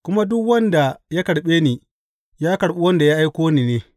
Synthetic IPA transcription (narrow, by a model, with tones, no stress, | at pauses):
kʷʊ˦ma˦dʊ˦kwɐ˦nda˨ja˦kɐ˨ɽɓeː˦niː˨ | jaː˦kɐ˨ɽɓu˦wɐ˦nda˨ja˦ʔa˦jkʷoː˦niː˨neː˦